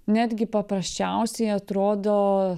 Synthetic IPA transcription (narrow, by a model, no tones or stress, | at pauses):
nʲæːd̪ʲɡʲɪpɐpɾɐsʲt͡ʃʲæʊsʲɛɪɐt̪ɾoːd̪oː